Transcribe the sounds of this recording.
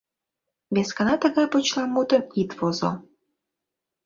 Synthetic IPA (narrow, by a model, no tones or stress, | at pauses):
βeskənɑt̪əɣɑjpot͡ɕlˠɑmːut̪əmit̪vozo̰